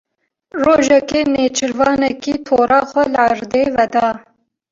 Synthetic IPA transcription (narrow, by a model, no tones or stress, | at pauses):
roːʒɛkeːneːt͡ʃʰɨɾvɑːnɛkiːt̪ʰoːɾɑːxʷɛlɨɑɾd̪eːvɛd̪ɑː